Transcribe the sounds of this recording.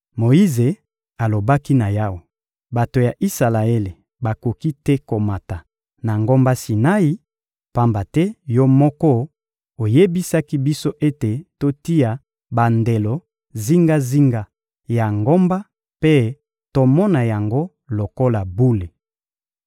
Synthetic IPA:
mo˨i˦ze˨ | a˨lo˨ba˦ki˦na˨ja˦wo˨ | ba˨to˨ja˨ʔi˦sa˨la˨e˦le˨ | ba˨ko˨ki˦tɛ˦ko˨ma˨ta˨ | na˨ŋɡo˦mba˦si˨na˦i˦ | pa˦mba˨tɛ˦jɔ˦mɔ˦kɔ˦ | o˨je˦bi˦sa˦ki˦bi˦so˦ʔe˦te˨to˦ti˦ja˨ | ba˨nde˨lɔ˨ | zi˦ŋɡa˦zi˦ŋɡa˨ | ja˨ŋɡo˦mba˦ | pe˦ | to˦mɔ˦na˨ja˨ŋɡo˦ | lo˨ko˦la˨bu˦le˨

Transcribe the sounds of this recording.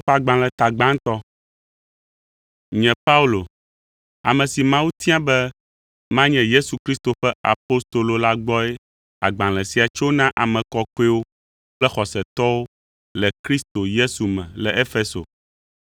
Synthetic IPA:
a˨ɡ͡bã˨lɛ˨t̪a˨ɡ͡bã˦ŋ˦t̪ɔ˦ | ɲɛ̃˨pa˦u˦lo˨ | a̰˨mɛ̃˨si˨mã˦wu˦t̪i˦ã˦bɛ˦ | mã˦ɲɛ̃˨je˦su˨kɾi˦st̪o˨ɸɛ˦a̰˨po˦st̪o˨lo˨la˦ɡ͡bɔ˦ɛ˦ | a̰˨ɡ͡bã˨lɛ˨si˨a˨t͡ʃo˦nã˦ʔa˨mɛ̃˨kɔ˦ke˦wo˦ | k͡plɛ˦xɔ˨sɛ˨t̪ɔ˦wo˦ | lɛ˨kɾi˦st̪o˨je˦su˨mɛ̃˨lɛ˨ʔe˦fe˦so̰˨

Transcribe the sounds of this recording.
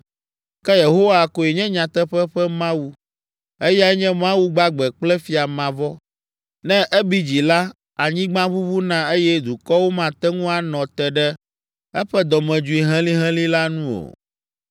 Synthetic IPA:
kɛ˦je˨ɦo˦wa˨ko˨e˨ɲɛ̃˦ɲã˨t̪ɛ˦ɸɛ˦ɸɛ˦mã˦wu˦ | e˦ja˦ɲɛ̃˦mã˦wu˦ɡ͡ba˦ɡ͡bɛ˨k͡plɛ˦fi˨a˨mã˨vɔ˦ | nɛ̃˦ʔɛ˦bi˦d͡ʑi˨la˦ | a˨ɲĩ˦ɡ͡bã˦βu˦vu˦nã˦e˦jɛ˦d̪u˨kɔ˦wo˦mã˨t̪ɛ˦ŋũ˦a˨nɔ̃˨t̪ɛ˨ɖɛ˦ | ɛ˦ɸɛ˦d̪ɔ˨mɛ̃˨d͡ʒu˨˦i˨ɦɛ̃˦li˦ɦɛ̃˦li˦la˦nũ˦o̰˨

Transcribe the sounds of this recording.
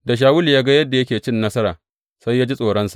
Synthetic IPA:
da˨ʃ̬aː˨˦wʊ˦ljaː˦ɡa˦jɐ˦dːa˨jɐ˦kʲeː˨t͡ʃɪ˦nːɐ˦sɐ˦ɾaː˨ | sa˦jːaː˦d͡ʒi˦sʼoː˨ɽɐ˦nsḁ˨ʔ

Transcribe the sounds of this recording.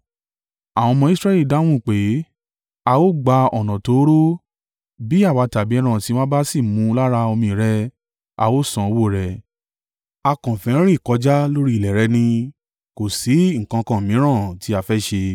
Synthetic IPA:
a˨w̃ɔ̃˧mɔ̃˧i˦sɾɛ˦li˦˨da˨˦w̃ũ˦˨k͡pe˨˦ | a˧wo˦ɡ͡ba˧ɔ˨nã˨to˨˦ɾo˦ | bi˦a˦˨wa˨˧ta˨bi˨˦ɛ˧˦ɾ̃ã˦˨ti˨˦wã˦ba˦si˦˨mũ˨˦la˦ɾa˧o˧mĩ˧˨ɾɛ˧ | a̰˧wo˦sã˧o˧wo˦˨ɾɛ˨ | a˧kã˨fɛ̃˨˦ɾ̃ĩ˦˨kɔ˨˧˦d͡ʒa˦lo˦ɾi˦˨lɛ˨ɾɛ˧˦nĩ˧ | ko˨si˨˦ŋ̩˨kã˧kã˨mĩ˨˦ɾ̃ã˦˨ti˨˦a˧fɛ˦ʃe˧

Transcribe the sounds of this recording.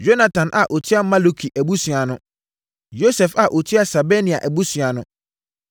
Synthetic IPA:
jo˦na˨tʰã˨nʔa̰˨ʔo˨tʰi˦a˦mã˦lo˦kʰi˨ʔæ˨bu˦sɥa˨nʊ̃˦ | jo˦sɛ˨fa˨ʔo˨tʰi˦a˦sa˨be˦nĩ˨a˨ʔæ˨bu˦sɥa˨nʊ̃˦

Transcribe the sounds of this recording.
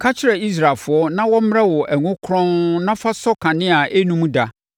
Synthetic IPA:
kʰa˦t͡ɕʰɪ˦ɾɛ˨i˦s̬ɾa˨fʊ˨˦ɔ˦nã˦wɔ̃˦m̩˦m˦a˦wɔ˨ʔæ˨ŋʊ̃˦kʰɾɔ̃˦nnã˦fa˦sɔ˦kʰã˨nɪ̃˦a˨ʔe˦nũ˦mũ˦da˨

